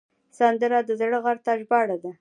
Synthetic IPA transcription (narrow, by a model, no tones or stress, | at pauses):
sand̪əɾad̪əzaɽəɣaɾt̪ɑʒbɑɽad̪a